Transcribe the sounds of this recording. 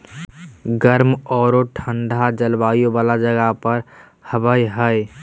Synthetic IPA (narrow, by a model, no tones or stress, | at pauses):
ɡəɾmɔːɾoʈʰəɳɖʱad͡ʒəlbajobalad͡ʒəɡapəɾ | həbəjɦəj